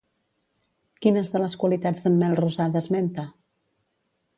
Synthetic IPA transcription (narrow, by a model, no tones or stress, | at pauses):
kinəzðələskwəlit̪ad͡zðəmːɛlˠruzaðəzment̪ə